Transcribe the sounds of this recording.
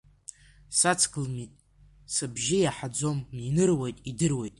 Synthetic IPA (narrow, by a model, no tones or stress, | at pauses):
sat͡sʰkɨlmitʼ | sɨbʒɪjaħad͡zo̞minɨrwejtʼidɨrwe̞jtʼ